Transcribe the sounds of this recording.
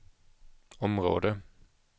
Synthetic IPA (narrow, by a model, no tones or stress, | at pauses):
ɔmʁo̰ːd̪ə